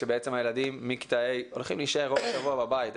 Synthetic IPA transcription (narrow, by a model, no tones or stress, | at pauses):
ʃebeet͡semajelad̪imːiki̥t̪aejo̞lχimliʃeʁovaʃavuababait̪